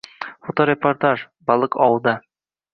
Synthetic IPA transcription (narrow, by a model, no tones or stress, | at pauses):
fot̪oɾʲeport̪aʒ | bɒlˠɤqɒwɤ̆lˠd̪ɑ